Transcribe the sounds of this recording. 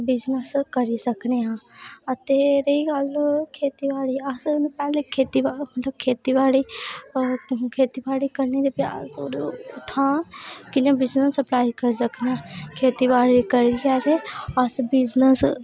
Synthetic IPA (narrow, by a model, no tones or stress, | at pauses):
bɪd͡ʒnəskɐɾisɐkneɦãat̪eːɾeikaːlkʰeːt̪iʋaːɽiasnpaːekʰeːt̪ibamɐt̪ləb̚kʰeːt̪ibaːɽi | kʰeːt̪ibaːɽikɐɾned̪epja̰ːzoɾt̪ʰãkinẽbɪznəsɐplaːjkɐɾsɐkneakʰeːt̪ibaːɽikɐɾiaɾeasbɪd͡ʒnəs